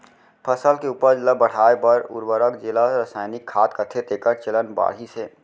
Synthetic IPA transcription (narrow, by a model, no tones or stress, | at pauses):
pʰəsəlkeupəɾd͡ʒɪləbəɽ̤aːepəɾʊ̰ɾwəɾəkd͡ʒɪlaɾəsaːɪnɪkʰːaːt̪kət̪ʰet̪eːkəɾt͡ʃələnba̰ːɽɦiseː